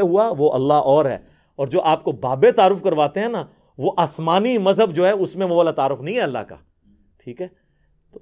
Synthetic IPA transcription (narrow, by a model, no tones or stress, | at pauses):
ɦuaʋoʔɐ̰lːaɦʔɔːɾɦɛ̰ː | ɔːɾd͡ʒoːʔaːp̚kobaːbet̪aːɾʊfkɐɾʋaːt̪eɦɛ̃na | ʋoʔaːsmaːnimɐzɦəbd͡ʒoːɦɛʊsmẽʋobaːlat̪aːɾʊfnɐɦĩɦɛɐlːa̰ɦka̰ː | ʈʰiːkɦɛː | t̪o